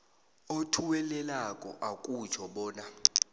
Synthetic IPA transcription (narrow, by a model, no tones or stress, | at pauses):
otʰuwɛlɛlakʼɔ̰ʔakʼut͡ʃʰɔɓɔːna